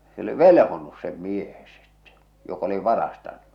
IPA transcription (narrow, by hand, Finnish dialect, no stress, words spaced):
se oli ʋelĕhonus sem miehe sitːe̥ jok oli ʋɑrɑstɑn̥ːu̥